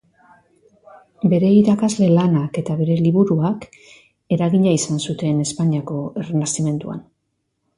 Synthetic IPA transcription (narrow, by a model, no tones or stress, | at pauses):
be̞ɾe̞iɾakazle̞lanake̞t̪aβe̞ɾe̞liβuɾuak | e̞ɾaɣiɲaisansut̪e̞ne̞spaɲiako̞e̞renast̪ime̞nt̪ua̰n